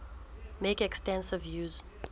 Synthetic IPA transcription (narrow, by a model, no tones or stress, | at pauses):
mekɛkstɛ̃nsɪvjuːz̥